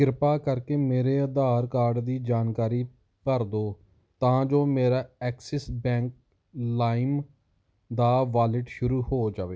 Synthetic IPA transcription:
ɡɪɾpaːkəɾkeːmeːɾeːəd̪aːɾkaːɾɖd̪iːd͡ʒaːnkaːɾiː | pəɾd̪oː | t̪ãːd͡ʒoːmeːɾaːɛːksɪsbɛ̃ːŋk̚ | laːɪm | d̪aːʋaːlɪʈʃʊɾuːhoːd͡ʒaːʋeː

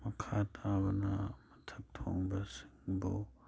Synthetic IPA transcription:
mɐkʰatʰabɐnamɐtʰɐp̚tʰoŋbasiŋbo

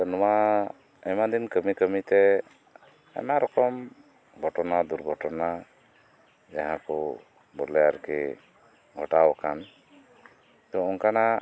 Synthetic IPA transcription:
ənɔma | ɛmad̪inkəmikəmit̪ɛ | ɛ̰maɾɔkɔm | ɡʱɔʈɔnad̪uɾɡʱɔʈɔna | d͡ʒaɦãkɔ | bɔɾlɛjaɾkɛ | ɡʱɔʈawkan | t̪ɔɔnkana

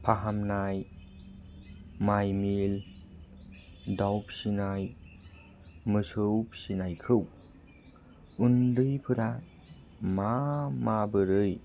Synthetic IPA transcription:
pʰaɦamnaj | majmil | dawp̚sinaj | mɯsɯwp̚sinajkʰɯw | undɯjpʰɯɾa | mamabɯɾɯj

